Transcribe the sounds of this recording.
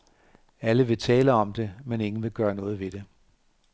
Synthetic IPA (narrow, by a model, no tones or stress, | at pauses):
æləʋe̝t͡sʰɛːləɒ̽md̥e̝mene̝ŋn̩ʋe̝ɡ̥ɶːɐnɔ̽ːð̞̩ˠʋe̝d̥e̝